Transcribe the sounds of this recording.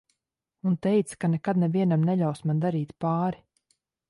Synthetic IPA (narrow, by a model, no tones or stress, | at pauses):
unt̪ɛjt̪skanɛkad̪nɛviɛnamnɛʎʲawsmand̪aɾiːt̪paːɾi